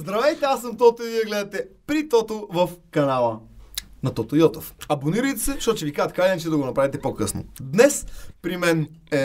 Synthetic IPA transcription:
zd̪ɾɐvɛjt̪ɛasːəmt̪ɔt̪oiviɛɡlɛd̪ɐt̪ɛpɾit̪ɔt̪ovɐfkɐnalˠənɐt̪ɔt̪ojɔt̪ofɐboniɾəjt̪ɛsɛʃɔt̪ot͡ʃɛvikazət̪̚kajd̪ɛnt͡ʃ̪ɛd̪ɐɡonɐpɾavit̪ɛpokɤsno̰d̪nɛspɾimɛnɛ

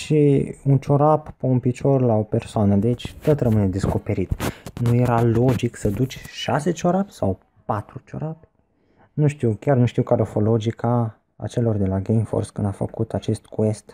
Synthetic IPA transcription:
ʃiunt͡ʃo̞ɾappeunpit͡ʃo̞rlao̞pe̞rsoanəd̪et͡ʃʲt̪ot̪rəmɨned̪e̞sko̞pe̞ɾit̪nuje̞ɾalo̞d͡ʒiksəd̪ut͡ʃʲʃase̞t͡ʃoɾapsa̰w | pat̪ɾut͡ʃo̞̰ɾap | nuʃt̪iwkʲarnuʃt̪iwkaɾofo̞lo̞d͡ʒikʰa̰ː | t͡ʃe̞lo̞rd̪e̞laɡejmfo̰rskɨnd̪afə̰kut̪at͡ʃe̞st̪kue̞st̪

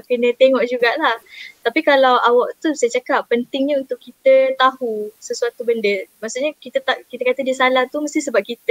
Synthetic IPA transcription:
kənə̃t̪eŋɔʔd͡ʒuɡaʔlaht̪apikalawʔawaʔ̚t̪usajat͡ʃakapːənt̪ɪŋɲaunt̪ʊʔkːit̪ət̪ahusəsuat̪ubəndəmaʔsuʔɲakit̪ət̪aʔkit̪akat̪ədisalaht̪uməst̪isəbap̚kit̪ə

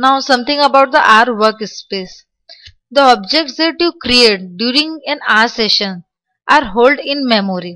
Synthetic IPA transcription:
naʊsʌ̃mt̪ʰɪ̃ŋəbaʊʈ̚d̪əʔaːɾʋəɾkspeːs | d̪əɔːb̚d͡ʒek̚ʈsd̪eʈukɾieːʈ̚ɖjuːɾĩŋɡɛ̃naɾseʃə̃n | ʔaːɾɦoːlɖɪ̃nmɛmoɾi

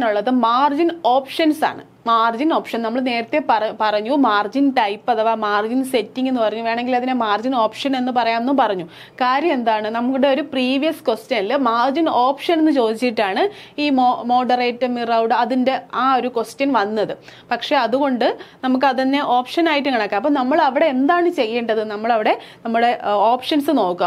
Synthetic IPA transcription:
nuɭːɐðɨmaːrd͡ʑino̞ːpʂɐnsa̰ːɳɨ̰ | maːrd͡ʑino̞ːpʂɐnnɐmːɐɭne̞ːɾɐt̪ːe̞pɐpɐrɐɲːumaːrd͡ʑinʈɐjpːɐðɐːʋaːmaːrd͡ʑinse̞tːiŋɡenːɨpɐrɐɲːuʋe̞ːɳe̞ŋɡilɐðinemaːrd͡ʑino̞ːpʂɐne̞nːɨpɐrɐjaːmenːupɐrɐɲːu | kaːɾjɐmend̪aːɳɨnɐmukːuɽe̞o̞ɾupriːʋijɐskwostjɐnɐlːɐmaːrd͡ʑinoːpʂɐne̞nːɨt͡ɕo̞ːd̪it͡ɕːiʈːaːɳɨ | iːmomo̞ːɖɐreːtːɨmirɐwɽɨɐðinde̞aːo̞ɾukostjɐnʋɐnːɐðɨpɐkʂe̞ɐðuɣo̞ɳɖɨnɐmuk̬ːɐðɐnːeʔo̞ːpʂɐnaːjiʈːɨkɐɳɐkːaːmp̬ːoːnɐmːɐɭɐʋiɽe̞end̪aːɳɨt͡ɕe̞jːeːɳɖɐðɨnɐmːɐɭɐʋiɽe̞nɐmːuɽe̞oːpʂɐnsɨno̞ːkːua

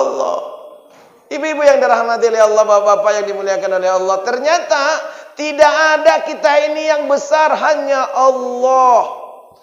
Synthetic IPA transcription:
lːɔ̰h | ibuibujaŋdiɾahmat̪iolɛhɑlːɔbapaːpajaŋdimuliakanolɛɦɑlˠːɔht̪ərɲat̪at̪idaʔːdakit̪ainijaŋbəsarɦaɲaʔɑlːɔh

